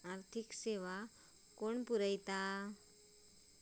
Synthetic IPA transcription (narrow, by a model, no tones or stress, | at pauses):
aɾt̪ʰikseʋa | koɳpuɾəjt̪a